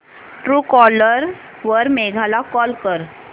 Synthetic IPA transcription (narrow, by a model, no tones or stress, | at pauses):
ʈɾuːkɔləɾ | ʋəɾmeɡʱalakɔlkəɾ